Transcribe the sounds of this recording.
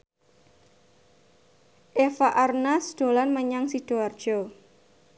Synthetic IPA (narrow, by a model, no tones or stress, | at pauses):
ʔefaʔarnasd̪̥o̤lanməɲaŋsid̥oard̥ʒ̥ɔ